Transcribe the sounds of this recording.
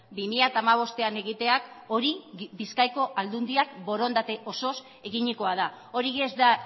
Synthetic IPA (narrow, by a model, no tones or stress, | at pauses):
bimiʎat̪aːmaβ̞o̞st̪e̞ane̞ɣit̪e̞ako̞ɾibiskajko̞ʔald̪und̪iakbo̞ɾo̞nd̪at̪e̞ʔo̞so̞s | e̞ɣiɲiko̞aða | o̞ɾiezd̪a